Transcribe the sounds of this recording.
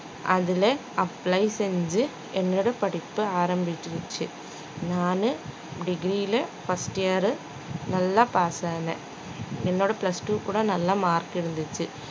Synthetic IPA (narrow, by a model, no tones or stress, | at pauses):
ʔɐðɪle | ɐplɐɪsɛɲd͡ʒɯ | ɛnːoːɽɐpɐɽɪpːɯaːɾɐmbɪʈːɾɯt͡ʃːɯ | naːnɯ | ɖɪɡɾiːlɐfɐsʈjɐɾɯ | nɐlːaːpaːsaːnɐ̰̃ː | ɛnːoːɽɐplɐsʈuːkuːɽɐnɐlːãːmaːɾkɪɾɯnd̪ɯt͡ʃːɯ